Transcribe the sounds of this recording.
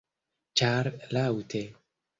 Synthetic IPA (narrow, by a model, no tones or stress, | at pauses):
t͡ʃaɾlawt̪ʰe